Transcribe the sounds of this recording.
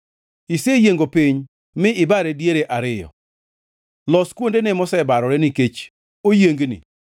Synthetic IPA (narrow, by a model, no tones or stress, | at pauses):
isejeŋɡopiɲ | mɪɪbaɾɛdjeɾeʔaɾɪjɔ̰ | lɔskwondenɛmɔsɛbaɾɔɾɛnɪket͡ʃ | ojeŋɡnɪ̰